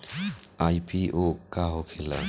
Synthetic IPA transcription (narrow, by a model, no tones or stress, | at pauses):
ajpiʔokaɦokʰela̰